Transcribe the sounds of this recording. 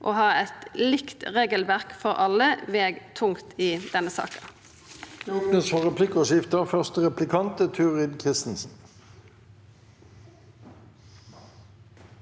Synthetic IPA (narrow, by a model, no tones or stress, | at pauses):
ʔɔːhɑːɛt̪lɪkt̪ʁeːɡəlʋæʁkfɔʁʔɑlːəʋeːɡt̪ʰʊŋt̪ɪd̪ɛnːəsɑ̰ːkən | jʊɡnəsfɔʁɛpʰlɪkəʃɪft̪əfœʁst̪əʁɛplɪkʰɑnt̪ət̪ʰʉʁɪd̪kʰʁɪst̪n̩sn̩